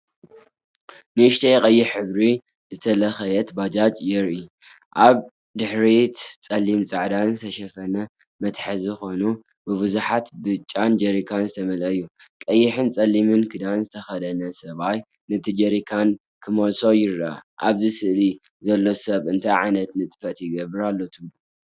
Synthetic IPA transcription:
nɨɨʃt̪ʰejkʼɐjːɪħɨβɾi | zɨt̪ʰɐlɐxɐjɛt̪bad͡ʒat͡ʃʼjɪɾʔi | ʔaβ | d̪ɨħɾit̪t͡sʼɐlːimt͡sʼaʕd̪azɨt̪ʰɐʃɐfɐnɐ | mɐt̪ħɨzɨxo̞nu | bɨβɨzuħat̪bɨt͡ʃʼːand͡ʒɐɾikʰanzɨt̪ʰɐmɐlʔɐjːukʼɐjːɪħɨnt͡sʼɐlːimɨnkʰɨd̪anzɨt̪ʰɐxɐd̪ɐnɐsɐβaj | nɨt̪ʰid͡ʒɐɾikʰan | kʰɨmolso̞jɪɾaa̰ʔaβzisɨʔli | zɐlːo̞sɐβɨnt̪ʰajʕajnɐt̪nɨt̪ʼɨ̥fɐt̪jɪɡɐβɨɾalːo̞t̪ʰɨβlu

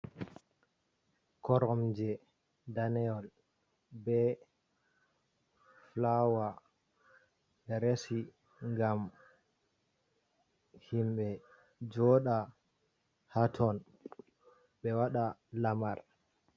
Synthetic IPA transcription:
kɔɾɔmd͡ʒɛ | danɛɔl | bɛ | flawa | ɓɛɾesi | ŋɡam | himɓɛ | d͡ʒɔɗa | hatʰɔn | ɓɛwaɗalamaɾ

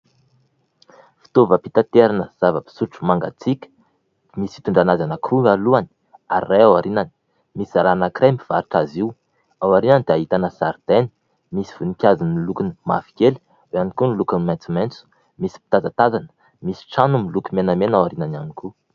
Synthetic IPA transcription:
fi̥t̪ovəpit̪at̪eɾanəz̥avəpi̥suʈ͡ʂu̥maŋɡa̰t͡sikʲə̥ | dmisi̥t̪uɳɖ͡ʐanazanəkʰrualuani̥ | aɾiːajawaɾinani̥ | misaɾanakɾembiv̥aɾiʈ͡ʂaziw | awaɾinanid̪eaɦit̪anəsaɾd̪̥eni̥ | misi̥v̥unikʲazinilukinima̰fi̥kʲel | weanikunilukəmant͡siment͡su̥ | misi̥pi̥t̪azat̪azan | misi̥ʈ͡ʂanumilukimenamenawaɾinananiku

